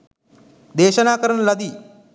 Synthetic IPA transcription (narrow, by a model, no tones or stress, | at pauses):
d̪eːʃɐnaːkəɾənlɐd̪i